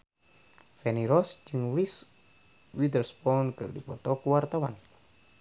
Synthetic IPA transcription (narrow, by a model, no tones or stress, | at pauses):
fɛniɾɔsd͡ʒɨŋɾis | wid̪ərspɔnkɨ̰rdipɔt̪ɔkuwart̪awan